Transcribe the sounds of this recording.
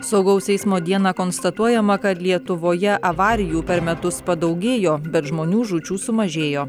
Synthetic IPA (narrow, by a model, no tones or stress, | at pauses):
sɐʊɡɐʊsɛɪsmoːd̪ʲiɛnɑːkoːnst̪ɐt̪uɔjɛmɐkɐt̪lʲiɛt̪ʊʋoːjɛʔɐʋɑːɾʲɪjuːpʲɛɾmʲɛt̪ʊspɐd̪ɐʊɡʲeːjoːbʲɛt̪ʒmoːnʲuːʒut͡ʃʲuːsʊmɐʒʲeːjoː